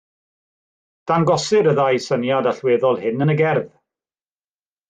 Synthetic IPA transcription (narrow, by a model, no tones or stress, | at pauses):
d̥anɡɔsɨɾəðajsənjadaɬweːðɔlˠhɪnənəɡɛrð